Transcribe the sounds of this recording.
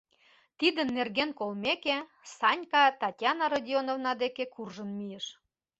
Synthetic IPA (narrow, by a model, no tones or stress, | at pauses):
t̪id̪ənːerɣenkolmeke | sɑnʲkɑt̪ɑtʲjɑnɑɾɑdʲionovnɑd̪ekekurʒənmijəʃ